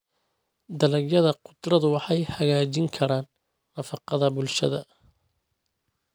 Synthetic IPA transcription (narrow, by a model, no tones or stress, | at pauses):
d̪ɐlɐɡjɐðɐqʊd̪rɐðʊwɑħɑjħɐɣaːt͡ʃɪŋkʰɐɾaːnː | ɐfɑqɑðɐbʊlʃɐ̰ðɐ